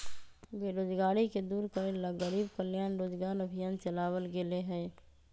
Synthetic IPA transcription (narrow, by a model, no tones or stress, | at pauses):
beːɾoːd͡ʒɡaːɽiked̪uːɾkəɾeləɡəɾiːbkəljaːnɾoːd͡ʒɡaːɾəbʱɪjaːnt͡ʃɐlaːwəlɡeleɦɛː